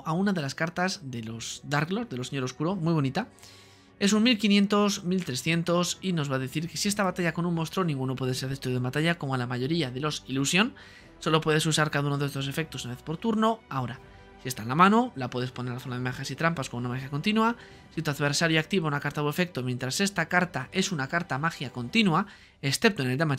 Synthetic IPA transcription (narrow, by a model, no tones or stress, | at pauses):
ʔaunaðe̞laskaɾt̪azðe̞lo̞zd̪aɾɣlo̞zðe̞lo̞seɲo̞ɾo̞skuɾomwijβ̞o̞nit̪a | e̞sunmilkinje̞nt̪o̞smilt̪ɾe̞sθje̞nt̪o̞sino̞zβaðeθiɾke̞siest̪aβat̪aʝako̞nũnmo̞st̪ɾo̞nĩŋɡuno̞pwe̞ðeseɾðe̞st̪ɾuembat̪aʝako̞moalamaʝo̞ɾiaðe̞lo̞silusjo̞n | so̞lo̞pwe̞ðe̞susaɾkaðaunoðest̪o̞sefe̞k̚t̪o̞sunaβeθpo̞ɾt̪uɾno̞ao̞ɾa | sie̞st̪anlamãno̞lapwe̞ðepone̞ɾalaθo̞naðe̞maxjasit̪ɾampaskomounamaxjako̞nt̪inwua | sit̪aðβe̞ɾsaɾjoak̚t̪iβaunakaɾt̪aðe̞fe̞k̚t̪omje̞nt̪ɾase̞st̪akaɾt̪aʔe̞sunakaɾt̪amaxjako̞nt̪inua | e̞sθep̚t̪oene̞ld̪ama